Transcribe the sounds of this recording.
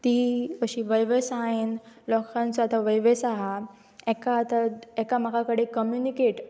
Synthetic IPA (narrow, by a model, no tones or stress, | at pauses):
t̪iːəɕĩʋəjʋəsaɦenlɔkʰant͡sɔat̪aʋəjʋesaɦa | ɛkaːt̪aɛkam̤akakəɽekəmjunikeʈ